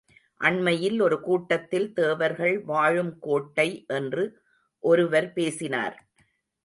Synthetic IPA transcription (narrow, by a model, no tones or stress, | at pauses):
ʔɐɳmɐjɪlɔɾɯkuːʈːɐt̪ːɪlt̪eːʋɐɾɣɐɭʋaːɻɯmkoːʈːɐɪʔɛndrɯ | ʔɔɾɯʋɐɾpeːsɪna̰ːɾ